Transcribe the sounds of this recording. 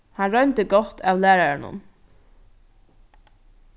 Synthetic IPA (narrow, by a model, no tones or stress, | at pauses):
hanɾœɥnt̪əɡɔt̪ːaːwlæːɾaɹɳʊ̰n